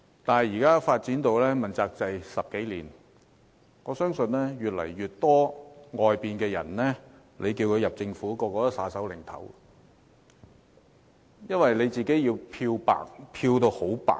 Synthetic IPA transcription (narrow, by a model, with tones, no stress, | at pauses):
t̪aː˨nhɐ˨˩jiː˨˩kaː˥faː˧t̚t͡siː˨˥nt̪o˧wlɛː˥mɐ˨˩nt͡saː˧k̚t͡sɐ˨jsɐ˨p̚ke˨˥jliː˨˩n | ŋɔː˨˧sœː˥ŋsɵ˧nlɛː˥jyː˨t̚lɐ̰˨˩jːyː˨t̚t̪ɔː˥ŋɔː˨jpiː˨nkɛː˧jɐ̰˨˩nlɛː˥ | lʔe˨˧jki˧wkʰɵ˨˧ɥjɐ˨p̚t͡sɪ˧ŋfuː˨˥kɔː˧kɔː˨˧˥saː˨˥sɐ˨˥wlɪ˨˩ŋt̪ʰɐ̰˨˥w | jɐ˥nwɐ˨jle˨˧jt͡siː˨˩ke˨˥jjiː˧wpʰiː˧wpa̰ː˨k̚pʰiː˧wt̪o˧who˨˥wpa̰ː˨